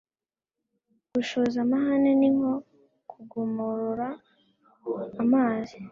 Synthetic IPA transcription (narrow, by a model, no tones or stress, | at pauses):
ɡ̥uʃozamaɦaneniŋo̞ | kʰuɡomuɾuɾa | maːzi